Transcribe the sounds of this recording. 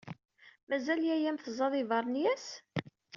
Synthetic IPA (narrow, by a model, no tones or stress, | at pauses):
mæzæljæjæmθzˤɑðˤɪvɑɾˤnjæs